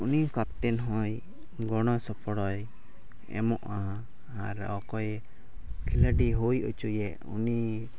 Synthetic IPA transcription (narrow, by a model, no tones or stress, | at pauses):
unikap̚t̪ɛnɦɔj | ɡɔɽ̃ɔsɔpɔɽɔj | ɛ̰mɔʔaã | aɾɔkɔjɛ | kʰiləɖiɦujut͡ʃujɛʔṵni